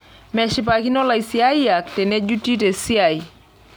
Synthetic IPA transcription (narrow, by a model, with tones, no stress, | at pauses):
mɛ˨ʃɪ˨pa˨ki˦nɔ˦la˨jsi˨a˦i˦ja˨ktɛ˨ne˦d͡ʒu˦ti˦te˨si˦a˨i